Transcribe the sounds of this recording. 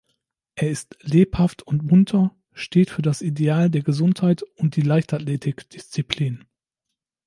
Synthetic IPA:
ʔeːɐɪstleːphaftʰʊntm̥ʊntʰɐ | ʃteːtfyːɐdasideaːldeːɐɡəzʊnthaɪtʊnt̚d̥iːlaɪçtatleːtʰɪkd̥ɪst͡sipʰliːn

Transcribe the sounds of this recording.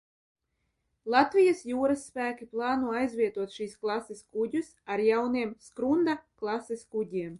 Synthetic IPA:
lˠat̪vʲijasjuːɾasːpæːkʲiplˠɑːnuɔajzvʲiɛt̪uɔt̪ʃiːsklˠaseskudʲusaɾjawniɛmskɾund̪aklˠaseskudʲiɛm

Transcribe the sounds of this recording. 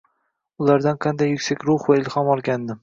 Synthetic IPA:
ʊlˠaɾd̪anqʰɑnd̪ajːʊkʲsakʲɾʊχvaɪlˠhɒmɒlˠɡʲand̪ɪm

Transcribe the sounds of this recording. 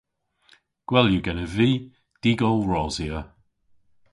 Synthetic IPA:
ɡ̥wɛljuɡɛnəviː | d̥iːɡɔlˠɹɔziə

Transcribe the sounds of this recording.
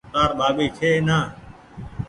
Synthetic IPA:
t̪aːɾɓaːɓiːt͡ʃʰeːnaː

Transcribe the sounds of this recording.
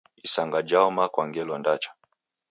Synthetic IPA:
isaŋɡad͡ʒaɔmakwaŋɡɛlɔndat͡ʃḁ

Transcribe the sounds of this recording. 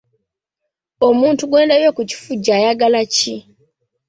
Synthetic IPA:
omuːntuɡwe̞ːndaβjokuci̥fuɟajaɡalaci

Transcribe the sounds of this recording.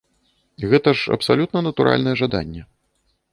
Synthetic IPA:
iɣɛt̪ɐʂɐ̰psalʲut̪nɐnɐt̪uɾʔa̰lʲnɐjɛʐad̪a̰nʲːɛ

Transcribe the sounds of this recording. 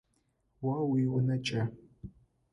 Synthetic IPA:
wawiwʊnɐt͡ʃʼɐ

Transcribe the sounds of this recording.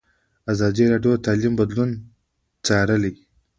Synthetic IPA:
azɑːd̪iɾaɖjot̪aːlimbad̪lun | t͡saɾəli

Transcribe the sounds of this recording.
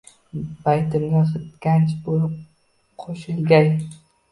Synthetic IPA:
bajt̪ɪmnʲɪχɨt̪kʲant͡ʃbolɪp̚ | qʰoʃɪlɡʲaj

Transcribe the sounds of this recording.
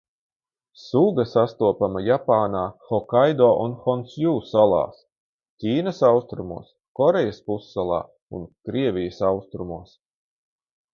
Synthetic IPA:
suɡɐsast̪uɔpamajapaːnaːxɔkajd̪ɔːʔunxɔnsjuːsalˠɑ̰ːs | cʲiːnɐsawst̪ɾumṵɔs | kɔɾɛjaspusːalˠɑ̰ː | ṵnkɾiɛvʲijɐsawst̪ɾumuɔs

